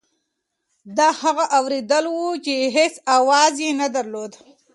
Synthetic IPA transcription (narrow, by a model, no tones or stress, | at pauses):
d̪ɑhaɣaʔawɾed̪əlwut͡ʃeɦesawɑzjenad̪aɾlod̪